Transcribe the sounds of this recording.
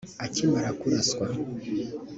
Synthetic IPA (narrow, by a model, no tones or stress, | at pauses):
acimaɾakuɾaskwa